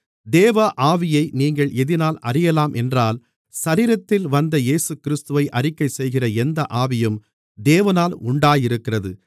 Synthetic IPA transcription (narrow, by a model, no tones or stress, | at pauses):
d̪eːʋɐʔaːʋɪjɐɪniːŋɡɐɭʔɛðɪnaːlɐrɪjɐlaːmʔɛndraːl | sɐɾiːɾɐt̪ːɪlʋɐnd̪ɐjeːsɯkɪɾɪst̪ɯʋɐɪʔɐrɪkːɐɪsɛjɣɪrɐɛnd̪ɐʔaːʋɪjɯm | d̪eːʋɐnaːlʊɳɖaːjɪɾɯkːɪrɐðɯ